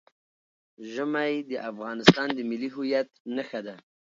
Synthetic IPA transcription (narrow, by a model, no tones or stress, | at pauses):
ʒəmajd̪əʔafɣɑnɪst̪ɑnd̪əmɪliɦʊjat̪̚naxad̪a